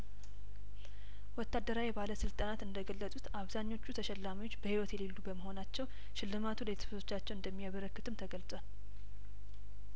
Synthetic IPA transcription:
wɔt̪ːad̪ːəɾawibaləsɨlt̪ʼanat̪ɨnd̪əɡəlːəsʼut̪aβzaɲːo̞t͡ʃːut̪ʰəʃɛlːamiot͡ʃːbəhiwɔt̪jɛlelːubəməho̞nat͡ʃːɛw | ʃɪlːɨmat̪ʰulet̪ʰə̥sət̪ʰo̞t͡ʃːat͡ʃːɛwɨnd̪əmːijaβəɾəkːɨt̪ʰɨmt̪ʰəɡəlsʼwal

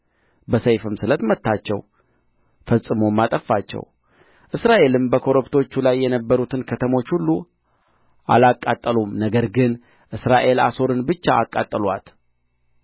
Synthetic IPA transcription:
bəsəjfɨmsɨlət̪mət̪ːat͡ʃːɛ̰w | fəsʼːɨmomːat̪ʼəfːat͡ʃːɛ̰w | ʔɨsɾaʔe̞lɨmbəkʰo̞ɾopt̪ʰo̞t͡ʃːulajːɛnəbːəɾut̪ʰɨnkʰət̪ʰəmo̞t͡ʃːhulːu | ʔa̰lakʼːat̪ʼːəlumnəɡəɾɡɨn | ʔɨsɾaʔe̞laso̞ɾɨnbɨt͡ʃːaːkʼːat̪ʼːəlwa̰t̪

